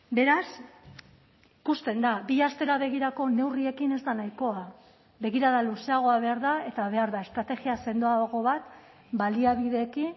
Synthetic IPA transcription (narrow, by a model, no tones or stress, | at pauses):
be̞ɾas | ikust̪e̞nd̪abiast̪e̞ɾaβe̞ɣiɾako̞ne̞wrie̞kine̞zd̪anajko̞a | be̞ɣ̞iɾaðaluse̞aɣ̞o̞aβe̞aɾðae̞t̪aβe̞aɾðae̞st̪ɾat̪e̞ɣiase̞nd̪oaɣo̞βat̪ | baliaβiðe̞ːki